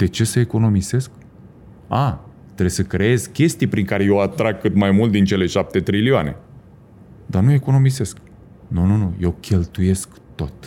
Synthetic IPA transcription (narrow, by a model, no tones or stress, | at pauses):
d̪̥e̞t͡ʃe̞səeko̞no̞mise̞sk | a | t̪ɾe̞jsəkɾeezkʲe̞st̪ijpɾiŋkaɾe̞jewat̪ɾaɡ̚kːɨt̪majmult̪̚d̪int͡ʃe̞le̞ʃap̚t̪e̞t̪ɾilioane̞̰ | d̪anue̞ko̞no̞mise̞sk | nununuje̞wkʲe̞lt̪uje̞sk | t̪o̞t̪